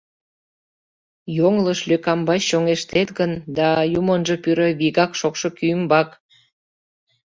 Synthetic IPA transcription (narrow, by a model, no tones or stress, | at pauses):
joŋləʃløkɑmbɑɕːoŋeʃt̪et̪ɣənd̪ɑjumənʒə̆pyɾə̆βiɣɑkʃokʃokyəmbɑk